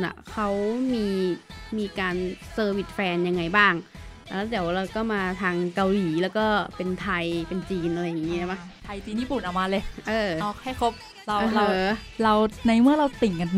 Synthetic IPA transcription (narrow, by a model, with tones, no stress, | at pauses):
na̰˨˩kʰa˦˥wmiː˧miː˧kaː˧nsɤː˧wi˨˩t̪̚fɛː˧nja˧ŋːa˧jbaː˥˩ŋ | lɛː˦˥d̪iː˨˩˦wɾa˧wkɔː˥˩maː˧t̪ʰaː˧ŋka˧wliː˩˦lɛː˦˥wkɔː˥˩pe˧nt̪ʰa˧jpe˧nt͡ɕiː˧nʔa˧ɾa˧jːa˨˩ŋːi˦˥˧ba˦˥ | t̪ʰa˧jt̪iː˧niː˥˩pu˨˩˦nʔaː˨˩wmaː˧lɤː˧˩ʔɤː˧ɔː˧˩kha˥˩jkʰo˦˥p̚ | ɾa˧wːla˧wɾa˧wna˧jmɯ˥˩ɐɾa˧wt̪i˨˩˦ŋka˧n